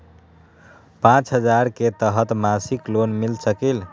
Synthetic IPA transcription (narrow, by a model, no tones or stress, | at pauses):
pãt͡ʃɦəd͡ʒaɾket̪əɦət̪masiklonmilsəkel